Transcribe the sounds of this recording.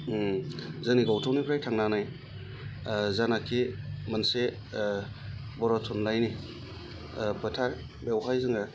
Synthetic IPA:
zɯŋniɡawtʰawnipʰɾajtʰaŋnanaj | zanakʰimɐnse | bɔɾɔtʰunlajni | bɯtʰaɾ | bewɦajzɯŋɾa

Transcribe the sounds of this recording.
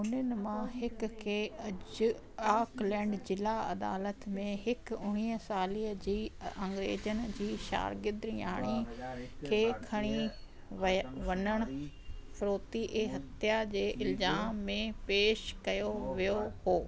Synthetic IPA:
ʊnənɪ̆mãɦɪkkʰeːɐ | aːklɛ̃ːɳɖd͡ʑɪlaɐ̰d̪a̰ːlət̪mẽɦɪkʊɽ̃iːɦəsaːliːəd͡ʑiːɐ̃ŋɡɾḛːd͡ʑənɪ̆d͡ʑiːʃa̰ːɾɡɪd̪ɾɪja̰ːɽ̃ikʰeːkʰɐɽ̃i | ʋɐnəɽ̃ | fɾoːt̪iʔeːɦɐt̪ʰjad͡ʑeːʔɪlzaːmːẽpeːʃkɐjoʋijohoː

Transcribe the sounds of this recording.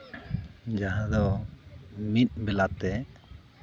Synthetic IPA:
d͡ʒaɦãd̪ɔ | mit̪̚bɛlat̪ɛ

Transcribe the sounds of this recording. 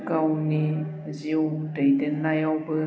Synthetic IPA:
kawni | ziwdəjdɛnːajawbə

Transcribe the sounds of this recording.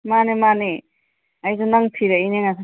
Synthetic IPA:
manemane | ajzɔnaŋpʰiɾaineŋakʰ

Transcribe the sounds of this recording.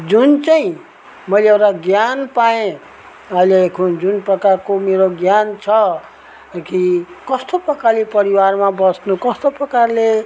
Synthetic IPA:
d͡zunt͡sajĩ | mʌjleewʈaɡjanpaẽ | ʌɦilekʰud͡zunprʌkarkomeɾoɡjant͡sʰʌ | kikʌst̪oprʌkalepʌɾiwarmabʌsnukʌst̪oprʌkarle

